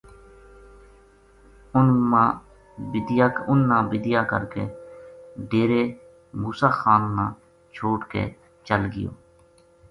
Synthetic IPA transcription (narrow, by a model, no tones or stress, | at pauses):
ʊnmãː | bɪd̪jaːʊnːãːbɪd̪ɪjaːkə̰ɾkeː | ɖeːɾeː | muːsaːxaːnːãː | t͡ʃʰoːʈkḛː | t͡ʃəlɡɪ̰jo̰ː